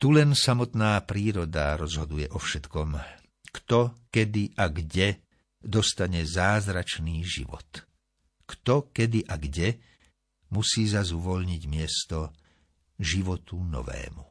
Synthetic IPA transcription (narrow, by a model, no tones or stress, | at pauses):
t̪ulɛnsamɔt̪naːpɾiːɾɔd̪a̰ɾɔzɦɔd̪ujɛʔɔfʃɛt̪kɔm | kt̪ɔkɛd̪iʔaɡɟɛ | d̪ɔst̪aɲɛzaːzɾat͡ʃniːʒḭʋɔ̰t̪ | kt̪ɔkɛd̪iʔaɡɟɛ | musiːzazuʋɔʎɲiɟmɪɛst̪ɔ | ʒiʋɔt̪unɔ̰ʋɛ̰ːmu